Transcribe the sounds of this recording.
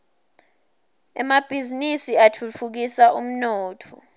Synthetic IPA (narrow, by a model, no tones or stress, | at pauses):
ɛ̰mab̥ʱizinisiatʰut͡fʰuk̬isaum̩nɔːtʰɔ̰